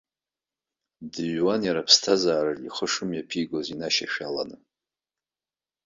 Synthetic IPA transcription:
dɨʒwanjaɾapʰstʰazaːɾɨiχəʂɨmjapʰiɡozinaʃa̰ʃᶣala̰nɨ

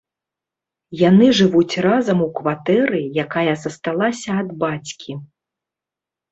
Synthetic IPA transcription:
janɨʐɨvut͡sʲrazɐmukvat̪ɛɾɨjakajɐzɐst̪alˠasʲɐːd̪bat͡sʲkʲʰi

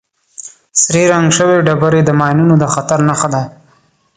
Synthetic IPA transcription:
sɾiɾaŋɡʃəweɖabaɾed̪əmɑjnunod̪əxat̪aɾnaxad̪a

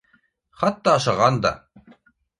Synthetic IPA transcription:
χɑt̪ːɑːʃɑʁɑnd̪ɑ̰

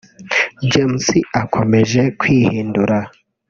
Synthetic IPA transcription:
d͡ʒemsiʔakʰo̞me̞ʒe̞kwiːhiːnduɾa

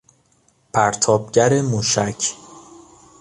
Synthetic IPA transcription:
pʰæɾt̪ʰɒːb̚ɟæɾemuːʃæcʰ

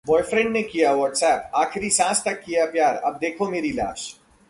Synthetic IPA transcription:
bɔːɪfɾɛ̃ɳɖnekijaʋɔːʈsɛːpaːxɪɾisãːst̪ɐkːijapjaːɾɐ̰b̚d̪eːkʰomeːɾila̰ːʃ

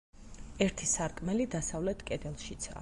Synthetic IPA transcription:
ɛɾt̪ʰisaɾkʼmɛlid̪asavlɛt̪ʰkʼɛd̪ɛlˠʃit̪sʰa̰

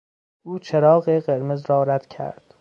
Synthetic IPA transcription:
ʔuːt͡ʃʰeɾɒːɢeɢeɾmezɾɒːɾæd̪̥cʰæ̰ɾd̪̥

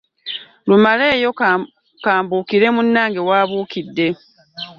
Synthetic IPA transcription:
lumale̞ːjo̞ | kaːmbuːkiɾe̞munːaːŋɡewaːβuːkidːe̞

